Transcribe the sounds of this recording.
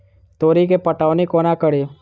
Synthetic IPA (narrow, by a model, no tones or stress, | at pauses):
t̪oːɾikepəʈaːʋnekoːnakəɽeː